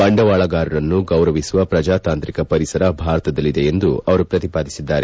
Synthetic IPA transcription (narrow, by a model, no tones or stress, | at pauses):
ɐɳɖɐʋaːɭɐɡaːɾɐɾɐnːuɡɐwɾɐʋisuʋɐpɾɐd͡ʒaːt̪aːnt̪ɾikɐpɐɾisɐɾɐbʱaːɾɐt̪ɐd̪ɐlːid̪e̞end̪uɐʋɐɾupɾɐt̪ipaːd̪isid̪ːaːɾe